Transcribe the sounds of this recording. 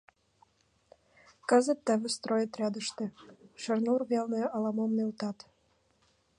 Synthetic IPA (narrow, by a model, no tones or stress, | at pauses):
kə̆zə̆t̪ːə̆βɘ̆st̪ɾojət̪rʲɑd̪ə̆ʃt̪ĕʃə̆rnurβelneɑlɑmomnelt̪ɑt̪